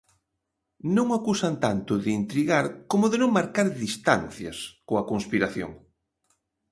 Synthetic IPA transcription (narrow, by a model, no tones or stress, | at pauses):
nõŋakusant̪ant̪ʊðɪiːnt̪ɾiɣaɾkomʊðɪnõŋmaɾkaɾðist̪a̰n̟θja̰skoɐkoŋspiɾaθjo̰ŋ